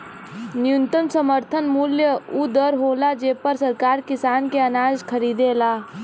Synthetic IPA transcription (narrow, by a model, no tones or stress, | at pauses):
nɪjʊnt̪ənsəməɾt̪ʰənmuljəud̪əɾɦoːlad͡ʒeːpəɾsəɾkaːɾkɪsaːnkeənaːzkʰəɾiːd̪elaː